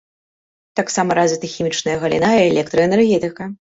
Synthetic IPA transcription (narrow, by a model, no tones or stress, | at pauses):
t̪aksamɐɾazʲvʲit̪ɐxʲimʲit͡ʂnɐjɐɣɐlʲḭnaiɛlʲɛk̚t̪ɾɨɛnɛrɣʲɛt̪ɨkɐ